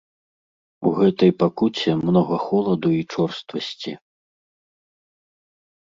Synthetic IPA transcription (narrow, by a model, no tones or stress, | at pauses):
uɣɛt̪ɐjpakut͡sʲɛmnɔɣɐxɔlˠɐd̪uit͡ʂɔrst̪vɐsʲt͡sʲḭ